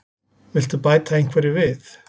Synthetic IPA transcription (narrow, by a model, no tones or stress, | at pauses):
vɪl̥t̪ʏpaːjt̪ʰaejn̥ŋ̥kʰvɛɾɪvɪθ